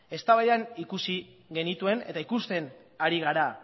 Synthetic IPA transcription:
e̞st̪aβajanikusiɣe̞nit̪ue̞ne̞̰t̪aikust̪e̞naɾiɣ̞aɾa

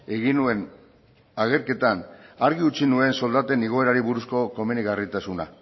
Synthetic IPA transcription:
e̞ɣinue̞n | aɣe̞ɾke̞t̪anaɾɣiut͡sinue̞nso̞ld̪at̪e̞niɣ̞o̞e̞ɾaɾiβuɾusko̞ko̞me̞niɣarit̪asuna̰

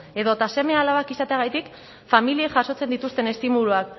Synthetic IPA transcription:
e̞ðo̞t̪ase̞me̞alaβakisat̪eaɣ̞ajt̪ik | familieʝaso̞t͡se̞nd̪it̪ust̪e̞ne̞st̪imuluak

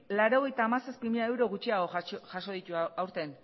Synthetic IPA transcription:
laɾo̞ɣ̞e̞jt̪aːmasaspimiʎaewɾo̞ɣut͡ʃiaɣoʝaʃo̞ðit̪uawɾt̪e̞n

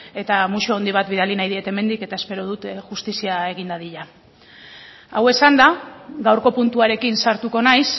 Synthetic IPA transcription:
e̞t̪amuʃoond̪iβ̞at̪βiðalinajð̞iet̪e̞me̞nd̪ike̞t̪ae̞spe̞ɾo̞ð̞ut̪ʝust̪isiae̞ɣ̞ind̪aðiʎa | awe̞sand̪aɣawɾko̞punt̪uaɾe̞kinsaɾt̪uko̞najs

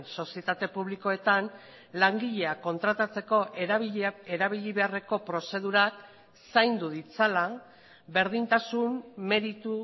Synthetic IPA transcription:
nso̞sie̞t̪at̪e̞puβ̞liko̞e̞t̪an | laŋɡiʎe̞ako̞nt̪ɾat̪at͡se̞ko̞ʔ | eɾaβiʎiβe̞are̞ko̞pɾo̞se̞ð̞uɾak | sajnd̪uðit͡sala | be̞ɾðint̪asumːe̞ɾit̪u

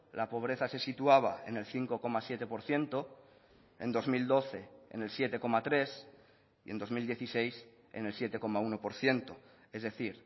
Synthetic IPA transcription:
lapo̞β̞ɾe̞θase̞sit̪uaβ̞a̰e̞̰ne̞lθiŋko̞ko̞masje̞t̪e̞po̞ɾθje̞nt̪o | e̞nd̪o̞zmild̪o̞θe̞ḛne̞lsje̞t̪e̞ko̞mat̪ɾe̞s | iend̪o̞zmild̪je̞θise̞js | ḛne̞lsje̞t̪e̞ko̞mauno̞po̞ɾθje̞nt̪o | e̞zðe̞θiɾ

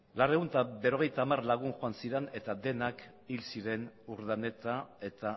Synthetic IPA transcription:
lare̞ɣunt̪abe̞ɾo̞ɣ̞e̞jt̪aːmarlaɣ̞unʝoansiɾene̞t̪aðe̞nak | ilsiɾe̞nuɾðane̞t̪ae̞t̪a

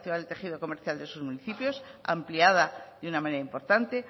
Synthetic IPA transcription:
θjaðelt̪e̞xiðo̞ko̞me̞ɾθjald̪e̞suzmuniθipjo̞sa̰mpliaðaðunamãne̞ɾaimpo̞ɾt̪ant̪e̞

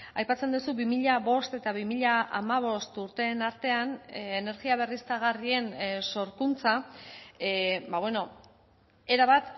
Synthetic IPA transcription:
ajpat͡send̪usuβimiʎaβo̞st̪e̞t̪aβimiʎaʔa̰maβ̞o̞st̪uɾt̪e̞ːnaɾt̪e̞anene̞ɾɣiaβ̞e̞rist̪aɣ̞arie̞nso̞ɾkunt͡sa | baβweno̞ | e̞ɾaβat̪

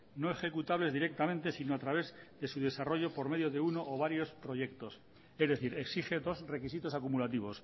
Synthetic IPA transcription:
no̞e̞xe̞kut̪aβle̞zðiɾe̞k̚t̪amẽnt̪e̞sinoat̪ɾaβ̞e̞zðe̞suðe̞saro̞ʝo̞po̞ɾme̞ðjoðe̞uno̞ʔːβ̞aɾjo̞spɾo̞ʝe̞kt̪o̞s | ezðe̞θiɾe̞ksixe̞ðo̞sre̞kis̬it̪o̞sakumulat̪iβ̞o̞s

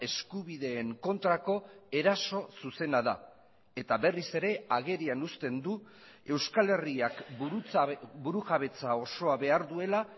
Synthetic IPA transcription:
e̞skuβiðe̞ːŋko̞nt̪ɾako̞e̞ɾaso̞suse̞naða̰ | e̞t̪aβe̞rise̞ɾe̞aɣ̞e̞ɾianust̪e̞nd̪u | e̞wskale̞riak | buɾuɣaβe̞t͡sao̞so̞aβe̞aɾðue̞la

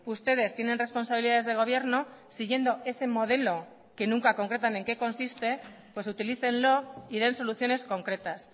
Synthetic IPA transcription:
ust̪e̞ð̞e̞st̪je̞ne̞nre̞spo̞nsaβiliðaðezðe̞ɣ̞o̞β̞je̞ɾno̞siɣje̞nd̪o̞e̞se̞mo̞ð̞e̞lo̞ | ke̞nuŋkako̞ŋkɾe̞t̪̬ane̞ŋkeko̞nsist̪e̞ | pwe̞sut̪iliθe̞nlo̞ið̞e̞nso̞luθjo̞ne̞sko̞ŋkɾe̞t̪as

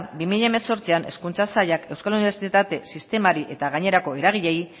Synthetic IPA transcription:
bimiʎaeme̞so̞ɾt͡siane̞̰skunt͡sasaʎake̞wskaluniβ̞e̞ɾsit̪at̪e̞sist̪e̞maɾiʔe̞t̪aɣaɲe̞ɾako̞e̞ɾaɣ̞iʎe̞j

